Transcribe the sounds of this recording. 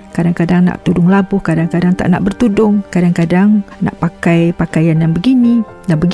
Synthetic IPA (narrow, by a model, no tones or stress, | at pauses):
kadaŋkadaŋna̰ʔt̪udʊŋlabʊhkadaŋkadaŋt̪a̰ʔna̰ʔbərt̪udʊŋkadaŋkadaŋna̰ʔpakajpakajanːanbəɡini | naʔbəɡ